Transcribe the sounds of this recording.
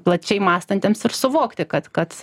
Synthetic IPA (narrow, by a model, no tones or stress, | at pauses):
plˠɐt͡ʃʲɛɪmɑːst̪ɐnʲt̪ʲeːmsɪrsʊʋoːkt̪ʲɪkɐt̪kɐt̪